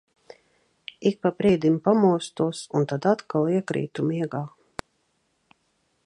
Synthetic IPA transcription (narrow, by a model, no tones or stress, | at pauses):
ik̚papɾiɛd̪impamuɔst̪uɔsunt̪ad̪at̪kalˠiɛkɾḭːt̪umiɛɡaː